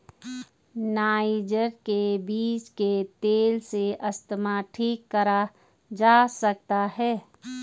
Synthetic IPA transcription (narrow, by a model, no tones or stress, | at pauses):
naːd͡ʒəɾkebiːt͡ʃket̪eːlseʔəst̪əmaʈʰiːkːəɾa | d͡ʒaːsək̚t̪aɦɛː